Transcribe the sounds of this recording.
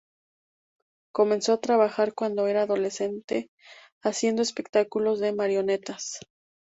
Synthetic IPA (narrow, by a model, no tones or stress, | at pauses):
ko̞mẽ̞nso̞at̪ɾaβaxaɾkwand̪o̞e̞ɾaːðo̞le̞se̞nt̪e̞ | asje̞nd̪o̞espe̞kt̪akulo̞zðe̞maɾjo̞ne̞t̪as